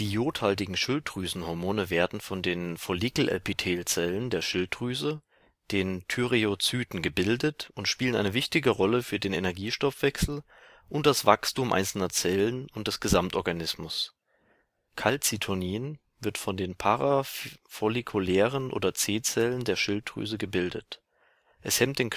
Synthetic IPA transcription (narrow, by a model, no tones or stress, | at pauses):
d̥iːjoːthalt̬ɪɡŋ̩ʃɪltʁyːzn̩hɔɐmoːnəveːɐdn̩fɔndeːnfolikl̩ʔɛ̰lpitʰeːlt͡sɛləndeːɐʃɪltʁyːzə | d̥eːntʰyʁeot͡syːtn̩ɡəbɪldətʊntʃpiːləna̰ɪnəvɪçtɪɡəʁɔləfyːɐdeːnenɛɐɡiːʃtɔfv̥ɛksl̩ | ʔʊnt̚d̥asv̥akstuːmʔa̰ɪnsl̩nɐt͡sɛlənʊnt̚d̥ɛsɡ̥əzamtʔɔɐɡanɪsmʊs | kʰalt͡sitʰoniːən | vɪɐtfɔndeːnpʰaʁav̥olikʰulɛːʁənʔo̰ːdɐt͡seːt͡sɛləndeːɐʃɪltʁy̰ːzəɡəbɪldət | ʔɛshɛmtd̥eːn